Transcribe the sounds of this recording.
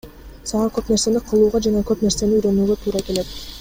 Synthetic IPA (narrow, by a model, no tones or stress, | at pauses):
sɑʁɑkø̞pneɾse̞niqʰɯlˠuːʁɑd͡ʒɑnɑkø̞pne̞ɾse̞niyɾø̞nyːɡø̞t̪ʰuːɾɑke̞le̞t̪̚